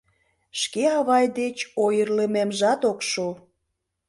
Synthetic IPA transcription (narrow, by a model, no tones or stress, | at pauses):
ʃkeɑβɑjd̪et͡ɕojərləmemʒɑt̪okʃo